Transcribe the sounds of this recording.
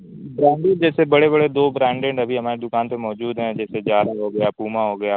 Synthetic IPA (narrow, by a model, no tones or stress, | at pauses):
bɾɛ̃ːɳɖẽd͡ʒɛːsebɐɽebɐɽed̪oːbɾɛ̃ːɳɖɛ̃ːɳɖɐbʱiɦɐmaːɾed̪ʊkaːnpemɔːd͡ʒuːd̪ɦɛ̃d͡ʒɛːsezjaːd̪aɦoɡɐjaːpuːmaɦoɡɐjaː